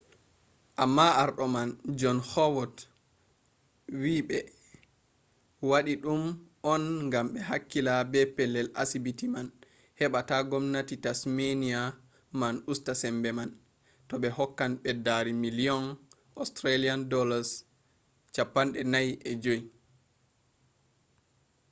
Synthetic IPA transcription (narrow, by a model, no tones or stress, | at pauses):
ʔamːaaɾɗɔmand͡ʒɔnhɔwɔt | wiɓɛ | waɗiɗumʔɔnŋɡamɓɛhakːilabɛpɛlːɛla̰sibitiman | hɛɓataɡɔmnatitasmenia | manustasɛmbɛman | tɔɓɛhɔkːanɓɛdaɾimiliɔn | ʔɔstɾaliandɔlaɾs | t͡ʃapːanɗɛnajɛd͡ʒoi